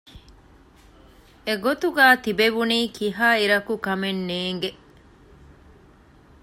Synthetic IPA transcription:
eɡot̪uɡaːt̪ibeʋuniːkiɦaːiɾɐkukɐmenːeːŋɡe

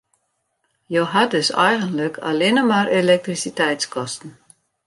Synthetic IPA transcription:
joɦat̚døsɛ̰jɣənləkʰa̰lɪnəmarʔelɛk̚trisitɛjtskɔstn̩

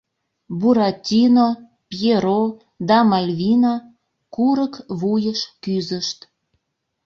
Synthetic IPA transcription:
buɾɑtʲino | pjeɾo | d̪ɑmɑlʲvʲina | kuɾəkβujəʃkyzəʃt̪

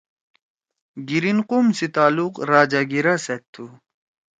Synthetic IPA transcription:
ɡiɾinqumsit̪aːluqɾaːd͡ʑaɡiɾaset̪ʰːu

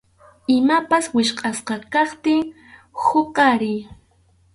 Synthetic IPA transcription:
ɪmapaswɪʃqʼɑsqɑkɑχt̪ɪŋ | hoqɑɾɪj

